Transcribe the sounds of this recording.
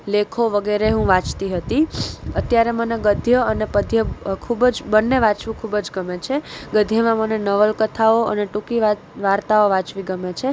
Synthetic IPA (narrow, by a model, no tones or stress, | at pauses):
lekʰoʋəɡeɾeɦũʋãt͡ʃt̪iɦət̪iət̪jaɾeməneɡəd̪ʱjəənepəd̪ʱjəkʰubd͡ʒbənːeʋãt͡ʃʋũkʰubd͡ʒɡəmet͡ʃʰeɡəd̪ʱjəmãmənenəʋəlkət̪ʰaoə̰neʈukiʋa | ʋaɾt̪aoʋãt͡ʃʋĩɡəmet͡ʃʰe